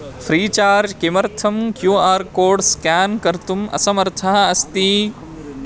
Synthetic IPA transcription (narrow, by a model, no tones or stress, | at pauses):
fʰɾiːt͡ʃaːɾd͡ʒkemɐɾt̪ʰɐmkjuːaːɾkoːɖskaːnkɐɾt̪umɐ̰sɐmɐɾt̪ʰɐɦɐɐst̪iː